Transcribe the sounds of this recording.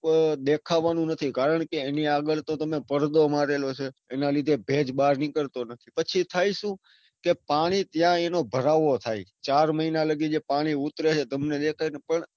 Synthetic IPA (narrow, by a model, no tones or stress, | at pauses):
d̪ekʰaʋanũnət̪ʰikaɾəɳ̃keːniaɡəɭt̪õt̪əmepəɾd̪omaɾelot͡ʃʰeːnalid̪ʱebʱed͡ʒɓaɾnikəɾt̪onət̪ʰipət͡ʃʰit̪ʰaiʃũ | kepaɽ̃it̪jãenobʱəɾaʋot̪ʰait͡ʃaɾməinaləɡid͡ʒepaɽ̃iʊt̪ɾet͡ʃʰet̪əmned̪ekʰainpəɳ